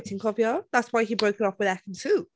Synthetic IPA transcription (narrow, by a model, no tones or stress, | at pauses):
tɪ̃ŋkʰɔviɔðatswaɪibɹəʊkɪɾɔfwɪðɛkə̃n̩tʰʉ